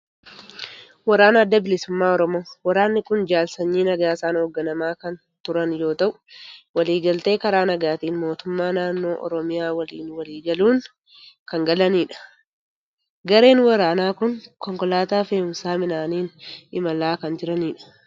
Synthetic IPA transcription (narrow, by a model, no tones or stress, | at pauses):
wɐɾaːnɐːd̪ːɐbɪlɪsʊmːaːɔɾɔmo̞ːwɐɾaːnːɪkʊnd͡ʒaːlsɐɲːiːnɐɡaːɪsaːnhɔːɡːɐnɐmaːkɐn | t̪ʊɾɐnjo̞ːt̪ɐʔʊ̥wɐliːɡɐlt̪e̞ːkɐɾaːnɐɡaːt̪iːnmo̞ːt̪ʊmːaːnaːnːo̞ːʔɔ̰ɾɔmɪjaːwɐliːnwɐliːɡɐluːn | kɐŋɡɐlɐniːᶑɐ̥ | ɡɐɾe̞ːnwɐɾaːnaːkʊnkɔŋkɔlaːt̪aːfeːʊmsaːmɪnaːniːnɪmɐlaːkɐnd͡ʒɪɾɐniːᶑɐ̥